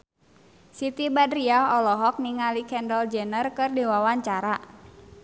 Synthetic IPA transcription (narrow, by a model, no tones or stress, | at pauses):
sit̪ibadriaɦɔlɔɦɔk̚niŋalikʰɛndəld͡ʒənərkɨrdewawaɲt͡ʃaɾa